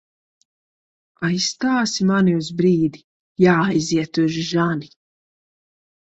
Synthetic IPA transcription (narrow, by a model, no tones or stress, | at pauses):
ajst̪aːsimaniuzbɾiːd̪i | jaːjziɛt̪uʒʒani